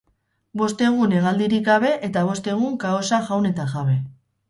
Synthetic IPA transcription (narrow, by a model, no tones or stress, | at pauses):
bo̞st̪e̞ɣ̞une̞ɣald̪iɾikɡaβe̞ʔet̪aβ̞o̞st̪e̞ɣ̞uŋkaosaʝawne̞t̪aɣaβe̞